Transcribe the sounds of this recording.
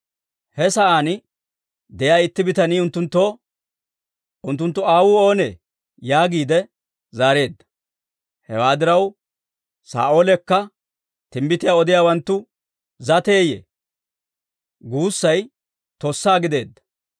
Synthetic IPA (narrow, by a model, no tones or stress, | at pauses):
hɛsɐʔaːnɪ | d̪ɛjaːɪt̪ːɪbɪt̪ɐniːʊnt̪ːʊnt̪ːo̞ː | ʔʊnt̪ːʊnt̪ːʊaːwuːo̞ːneː | jaːɡiːd̪ɛ | zaːɾe̞ːd̪ːɐ̥ | hɛwaːd̪ɪɾɐw | sa̰ːʔo̞ːlɛkːɐ | t̪ɪmbɪt̪ɪjaːɔd̪ɪjaːwɐnt̪ːʊ | zɐt̪eːjḛː | ɡuːsːɐj | t̪osːaːɡɪd̪e̞ːd̪ːɐ̥